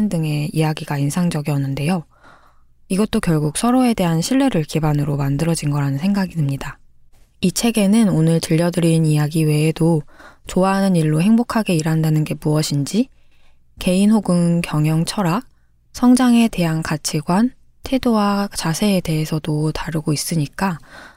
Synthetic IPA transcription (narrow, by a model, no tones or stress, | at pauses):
ndɯŋe̞ijaɡiɡainsʰaŋd͡ʑʌɡiʌnːɯnde̞jo | iɡʌt̚t͈okjʌɭɡuk̚sʰʌɾoe̞de̞ɦanɕʰiɭːe̞ɾɯɭkibanɯɾomandɯɾʌd͡ʑinɡʌɾanɯnsʰe̞ŋɡaɡiɯmɲida | it͡ɕʰe̞ɡe̞nɯnonɯɭtɯʎːʌdɯɾinijaɡiwe̞ːdot͡ɕoaɦanɯniɭːohe̞ŋbokʰaɡe̞iɾɦandanɯnɡe̞muʌɕʰind͡ʑi | ke̞inɦoɡɯnkjʌŋjʌŋt͡ɕʰʌɾa | sʰʌŋd͡ʑaŋe̞de̞ɦankat͡ɕʰiɡwan | tʰe̞dowat͡ɕasʰe̞ːde̞ɦe̞sʰʌdotaɾɯɡois͈ɯɲik͈a